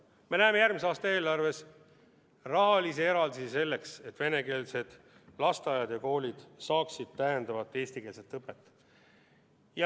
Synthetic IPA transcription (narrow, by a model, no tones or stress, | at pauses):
me̞næeːme̞jærmiseɑːst̪ɑe̞ːlɑrve̞s | rɑɦɑlisie̞ɾɑld̪isise̞lːe̞kset̪ːˑve̞ne̞ke̞ːlse̞d̪̥ | lɑst̪ɑjɑd̪jɑko̞ːlʲid̪̥sɑːksid̪̥t̪æjend̪ɑvɑt̪ːˑe̞ːst̪ike̞ːlse̞t̪ːɤpːˑet̪ːˑ | jɑ